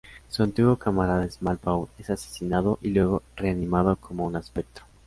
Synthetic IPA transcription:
suant̪iɣwokamaɾaðesmalpawesase̥sinaðoʔilwe̞ɣo̞re̞animaðo̞kʰomounaspe̞k̚t̪ɾo

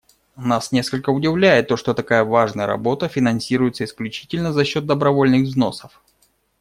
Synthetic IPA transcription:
nasnʲe̞skəlʲkəʊdʲɪvlʲæjɪt̪ːo̞ʂt̪o̞t̪ɐkajəvaʐnəjə̰ɾɐ̰bo̞t̪əfʲɪnɐnsʲiɾʊjɪt̪səɪsklʲʉt͡ɕi̥tʲɪlʲnəzɐɕːo̞t̪̚d̪əbɾɐvo̞lʲnɨɣvzno̞səf

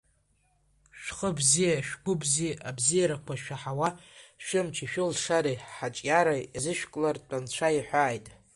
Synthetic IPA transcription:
ʃᶣχəbzijaʃᶣɡʷʊbziʔabzijaɾakʷʰaʃᶣaħawaʃɨmt͡ʃʰiʃᶣʊlʂaɾiħat͡ʃʼjaɾaazɨʃᶣkʼlart͡pʷʼant͡ɕʷʰaiħʷaːjtʼ

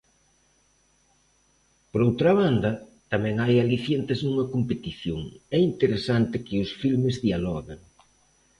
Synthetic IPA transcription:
poɾowt̪ɾɐβ̞and̪ɐt̪amɛ̃ŋajaliθjent̪ɪznũŋɐkompet̪iθjoŋɛint̪eɾesant̪ɪkɪʊsfilmɪzðialɔɣeŋ

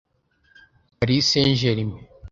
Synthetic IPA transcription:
paɾisenʒeɾime

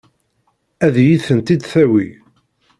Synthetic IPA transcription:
æðjiθənt̪id̪θæwi

